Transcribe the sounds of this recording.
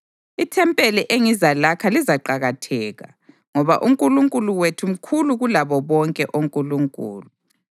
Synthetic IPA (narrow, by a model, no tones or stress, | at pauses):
itʰɛmpʼeliʔeŋizalakʰalizaǃaɣatʰɛːɣa̰ | ŋɔβa̰ʔuŋkʼuluŋkʼuluwetʰum̩kʰuluɣulaβɔβɔŋkʼɛʔoŋkʼuluŋkʼṵːlu